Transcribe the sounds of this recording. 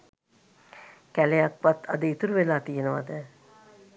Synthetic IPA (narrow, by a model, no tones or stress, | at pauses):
kælejakʋat̪ɐd̪əit̪uɾuʋelaːt̪ijenəʋa̰d̪ə